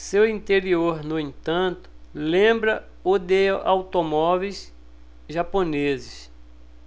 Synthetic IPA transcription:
sewĩnt̪eɾioɾnʊẽt̪ɐ̃nt̪ʊ̥lẽmbɾɐ | ʊd̪ea̰wt̪omɔvejs | ʒaponezɪs

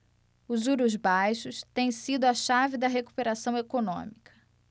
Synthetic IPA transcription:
ʊzuɾʊzbajʃʊst̪ẽj̃sid̪ʊɐʃavɪd̪ɐɦeku̥peɾasɐ̃w̃ekonõ̰mikʰɐ̥

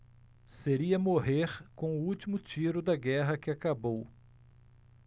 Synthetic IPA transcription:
seɾiɐmoɦeɾkõʊuwt͡ʃimʊt͡ʃiɾʊd̪ɐɡɛɦɐkɪakabow

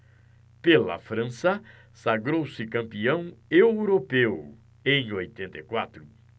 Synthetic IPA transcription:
pelɐ̰fɾɐ̃sɐ | saɡɾowsɪkɐ̃mpiɐ̃w̃ewɾopew | ẽj̃ojt̪ẽnt̪ejkwat̪ɾʊ

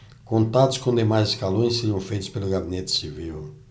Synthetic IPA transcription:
kõnt̪ad̪ʊ̥skõd̪emajzɪskalõj̃seɾiɐ̃w̃fejt̪ʊ̥spelʊɡabinet̪ɪ̥siviw

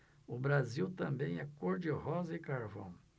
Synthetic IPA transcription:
ʊbɾaziwt̪ɐ̃mbẽj̃ɛkoɾd͡ʒɪhɔzɐɪkaɾvɐ̰̃w̃

